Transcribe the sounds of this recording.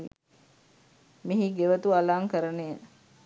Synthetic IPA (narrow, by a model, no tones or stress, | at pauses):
miɦiɡeʋət̪ualaːŋkəɾənen